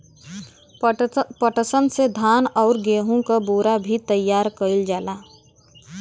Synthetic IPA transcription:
pəʈəsənsed̪ʱaːnɔʊɾɡeɦũkaboɾabʱit̪əjːaɾkəɪld͡ʒaːla

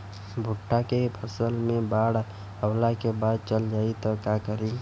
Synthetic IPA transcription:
bʱʊʈʰːakepʰəsəlmẽbaɽ | əwlakebaːd̪̚t͡ʃəld͡ʒaːit̪ɔkakəɾi

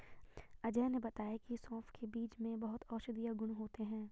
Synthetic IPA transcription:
ɐd͡ʒɛːnebɐt̪aːjakisɔ̃ːfkʰebiːt͡ʃmẽbɐɦʊt̪ɔːʃd̪ijaɡʊɽ̃ɦoːt̪eɦɛ̃ː

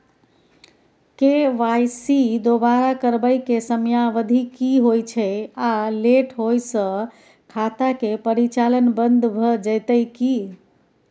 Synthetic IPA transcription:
keʋajsid̪obaɾakəɾbəjkesəmjaʋəd̪ʱikiɦojt͡ʃʰɛaleʈʰɦojsə̃ | kʰat̪akepəɾit͡ʃalənbənd̪ʱbʱəd͡ʒəjt̪əjki

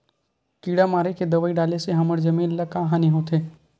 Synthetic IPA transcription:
kiːɽamaːɾeked̪ɐʋəːiɖaːleseɦɐməɽd͡ʒɐmĩːnlɐkaːɦaːniɦoːt̪eː

